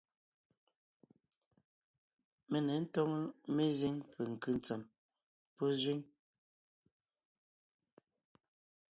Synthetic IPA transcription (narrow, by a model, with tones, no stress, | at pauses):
me˨ne˨˦n̩˦tɔ˦ŋ˦me˦zi˦ŋpe˨ŋ̩˨kʉ˨n˨t͡sɛ˨m | pɔ˦zɥi˦ŋ